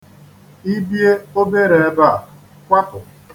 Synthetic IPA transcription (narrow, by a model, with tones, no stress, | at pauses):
i˦bje˦o˦be˦ɾe˨e˦ba˦˨ | kʷa˦pʊ˨